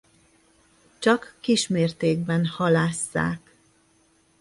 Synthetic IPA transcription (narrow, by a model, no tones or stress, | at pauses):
t͡ʃɒkːiʃmeːrt̪eːɡ̚bɛnhɒlaːsːa̰ːk